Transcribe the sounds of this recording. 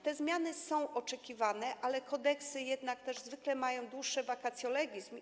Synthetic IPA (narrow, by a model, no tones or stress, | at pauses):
t̪ɛzmʲjanɘsɔ̃w̃ʔɔt͡ʂɛkʲivanɛʔalɛkʰɔd̪ɛksɘjɛd̪nak̚t̪ɛʐzvɘklɛmajɔ̃w̃d̪wuʂːɛvakat̪sʲjɔlɛɡʲizm